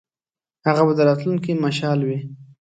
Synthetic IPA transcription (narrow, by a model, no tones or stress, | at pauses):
haɣabad̪əɾɑt̪lunkimaʃɑlwi